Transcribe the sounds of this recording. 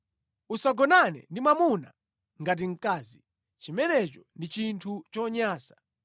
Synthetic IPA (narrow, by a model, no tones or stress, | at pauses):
usaɡɔnanɛ̰ndimamuna̰ | ŋɡat̬iŋ̩kaːzi | t͡ʃimɛnɛt͡ʃɔndit͡ʃintʰut͡ʃɔɲaːsḁ